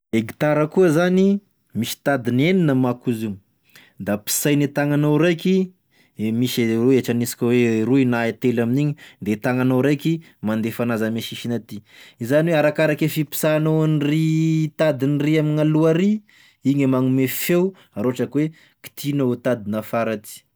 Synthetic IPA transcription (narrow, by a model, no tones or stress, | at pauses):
eɡi̥t̪aɾəkuəzani | misi̥t̪ad̪ineninəmakuzi | d̪api̥sajnit̪aŋanawɾajki | miʃueʈ͡ʂanisi̥kʲəweɾuinaet̪elaminiɲid̪et̪aŋanoɾajki | mand̪efanazameʃiʃinat̪iizaniweaɾakaɾakefipi̥sanowanrit̪ad̪iniriaminaluaɾi | iɲəmaŋumefew | aɾoaʈ͡ʂəkwe | ki̥t̪ʰinaut̪ad̪inafaɾat̪i̥